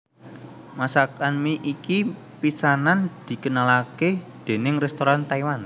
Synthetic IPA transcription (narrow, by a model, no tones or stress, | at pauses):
masakanmiʔiki | pisanand̪̥i̤kənalaked̪̥e̤nɪŋrɛst̪oɾant̪aiwan